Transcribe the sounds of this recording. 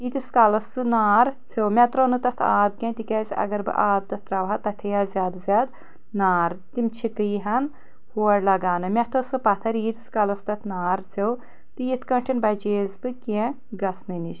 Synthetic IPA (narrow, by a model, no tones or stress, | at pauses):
it̪iskɐlɐsɨnaːɾt͡sʰewmʲɛt̪ɾonɨt̪ɐt̪ʰa̰ːb̚kʲẽt̪ikɐːsʲiɐ̰ɡɐɾbɨ̰ʔaːb̚t̪ɐt̪ʰɾɐʋɦat̪ɐt̪ʰejaːzʲaːd̪zʲjaːd̪ | naːɾt̪imt͡ʃʰikɨjɦɐn | huɐɾlɐɡaːnɨmʲɛt̪ʰɐsɨpɐt̪ʰɐɾiːt̪iskɐlɐst̪ɐt̪ʰnaːɾt͡sʰew | t̪ɨjit̪ʰkɐɳʈʰinbɐd͡ʒeːzbɨkẽ | ɡɐsnɨniʃ